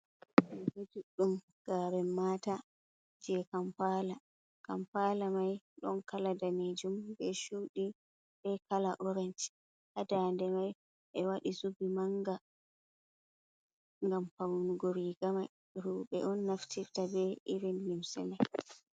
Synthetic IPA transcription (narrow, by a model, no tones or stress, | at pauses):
ɛwed͡ʒuɗːum | ɡ̥aɾɛmaːta | d͡ʒɛkampala | kampalamaj | ɗɔ̰nkaladaned͡ʒumbɛʃuːɗi | ɓɛkalaʔɔɾɛnt | ʔadandɛmaj | ʔɛwaɗisubimaŋɡa | ŋɡampawnuɡoɾiɡamaj | ɾuɓɛ̰ʔɔnːaftʰiɾtabɛʔiɾinlimsɛ̰maj